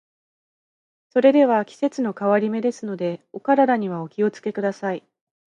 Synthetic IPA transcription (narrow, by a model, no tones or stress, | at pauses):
so̞ɾe̞d̪e̞β̞akʲi̥se̞t͡sɨno̞kaβaɾʲime̞d̪e̞sɨno̞d̪e̞o̞kaɾaɾaɲ̟iβ̞ao̞kʲio̞t͡sɨ̥ke̞kɯ̟d̪asai